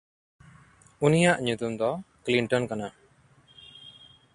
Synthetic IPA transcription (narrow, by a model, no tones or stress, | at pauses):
unijaʔɲut̪umd̪ɔkliɳʈɔnkana